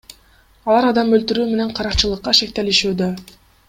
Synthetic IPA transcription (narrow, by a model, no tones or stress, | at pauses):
ɑlˠɑɾɑd̪ɑmølt̪yɾyːme̞ne̞ɴqʰɑɾɑqt͡ʃɯlˠɯqːɑʃe̞kt̪e̞liʃyːd̪ø